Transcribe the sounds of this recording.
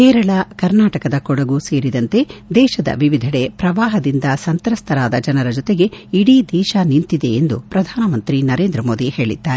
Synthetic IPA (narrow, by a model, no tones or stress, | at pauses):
kɛːɾɐɭɐkɐɾnaːʈɐkɐd̪ɐkɔɽɐɡuse̞ːɾid̪ɐnt̪e̞d̪ɛːʃɐd̪ɐ̰ʋiʋid̪ʱɐɽepɾɐʋaːɦɐd̪ind̪ɐsɐnt̪ɾɐst̪ʰɐɾaːd̪ɐd͡ʒɐnɐɾɐd͡ʒɔt̪e̞ɡe̞iɽiːd̪ɛːʃanint̪id̪e̞ːnd̪upɾɐd̪ʱaːnɐmɐnt̪ɾinɐɾeːnd̪ɾɐmo̞ːd̪ihe̞ːɭḭd̪ːaːɾe